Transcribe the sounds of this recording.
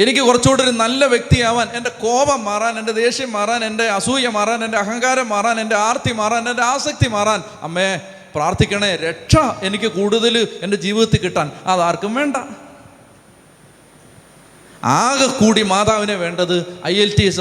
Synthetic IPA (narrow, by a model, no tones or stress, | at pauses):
e̞nikʲːɨkurɐt͡ɕːo̞ːɽuɾunɐlːɐʋjek̚t̪ijaːʋaːne̞nde̞ko̞ːbɐmːaːraːne̞nde̞d̪e̞ːɕjɐmːaːraːne̞nde̞ɐsuːjɐmːaːraːne̞ndeɐɦɐŋɡaːɾɐmːaːraːne̞nde̞aːrt̪imaːraːne̞nde̞aːsɐk̚t̪imaːraːn | ɐ̰mːe | praːrt̪ʰikʲːɐɳeɾe̞ʈʂɐe̞nikʲːɨkuːɽuðɐlɨe̞nde̞d͡ʑiːʋiðɐt̪ːɨkːiʈːaːnɐðaːrkumʋe̞ːɳɖɐ | aːɣɐkuːɽimaːt̪aːʋineʋe̞ːɳɖɐðɨɐjelties